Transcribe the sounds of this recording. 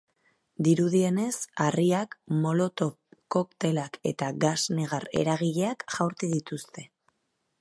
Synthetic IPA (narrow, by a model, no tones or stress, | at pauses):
d̪iɾuðie̞ne̞sariakmo̞lo̞t̪o̞ | ko̞kt̪e̞lake̞̰t̪aɣasne̞ɣ̞are̞̰ɾaɣ̞iʎe̞akʝawɾt̪iðit̪ust̪e̞